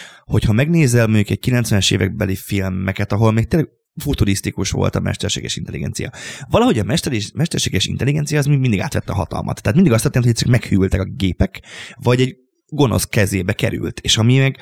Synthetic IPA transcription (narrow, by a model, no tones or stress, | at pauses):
ho̞chɒmɛɡneːzɛlmoɲɟukɛɟ̥̚kilɛnt̪sʋɛnɛʃḛːvɛɡ̚bɛlifilmːɛkɛt̪ɒɦo̞lmeːk̚t̪eːlːɛɡ | fut̪uɾist̪ikuʃʋo̞̰lt̪ɒ̰mɛ̰ʃt̪ɛrʃḛːɡɛʃint̪ɛlḭɡɛ̰nt̪sijɒ̰vɒlɒɦo̞ɟɒmɛʃt̪ɛimɛʃt̪ɛrʃeːɡɛʃḭnt̪ɛliɡɛnt̪sijɒːzmiind̪iɡa̰ːt̪ʋɛt̪ːɒɦɒt̪ɒ̰lmʔɒ̰t̪ʰːat̪mind̪iɒst̪ːɛt̪enhɛsøkmɛkhyjylt̪ɛkɒɡeːpɛkvɒɟɛɟ | ɡo̞no̞̰skɛzeːbɛkɛ̰ɾy̰lt̪eːʃɒmimɛɡ